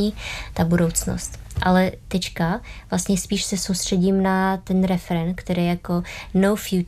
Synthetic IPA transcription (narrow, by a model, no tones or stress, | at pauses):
iːt̪abudo̞wt͡sno̰st̪ʔalɛt̪ɛt͡ʃkavlast̪ɲɛspiːʃsɛsowst̪r̝̥ɛɟimnat̪ɛnɾɛfɛɾɛnkt̪ɛɾijjakonowfju